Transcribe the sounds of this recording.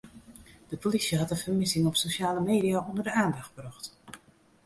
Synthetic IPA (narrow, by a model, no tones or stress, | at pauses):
d̥əpʰolisjəɦɑtənfərmɪsɪŋɔpsoʃaːləmeːdiaʔondərdəaːndɑxt̚brɔxt